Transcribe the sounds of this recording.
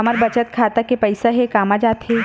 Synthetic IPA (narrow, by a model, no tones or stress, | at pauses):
ɐməɾbɐt͡ʃət̪kʰaːt̪akepɐɪsaɦɛkaːmad͡ʒaːt̪ɦɛ